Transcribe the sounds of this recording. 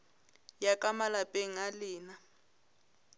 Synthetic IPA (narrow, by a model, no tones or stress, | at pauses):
jakʼamalapʼeŋ̩alɪːna